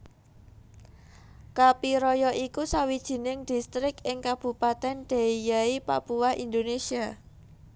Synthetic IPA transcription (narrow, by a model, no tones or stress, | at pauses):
kapiɾɔjɔʔikusawid̥ʒ̥i̤nɪŋd̥i̤st̪ɾɪkɪŋkab̥ṳpat̪ɛnɖ̪̥a̤ijaipa̰puwahind̪onesia